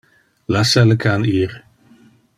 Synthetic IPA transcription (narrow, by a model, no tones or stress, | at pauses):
lasaləkʰaniːɾ